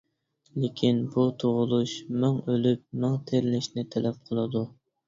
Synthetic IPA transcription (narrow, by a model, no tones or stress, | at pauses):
lekʲʰinbut̪ʰoʁʊlˠuʃmʊŋølyp̚mɨŋt̪ʰeɾlɪʃnɪt̪ʰɛlɛp̚qʰəlˠɨd̪u